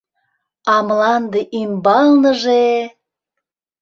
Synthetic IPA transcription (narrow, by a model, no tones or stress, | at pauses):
ɑmlɑnd̪eʔimbɑlnəʒe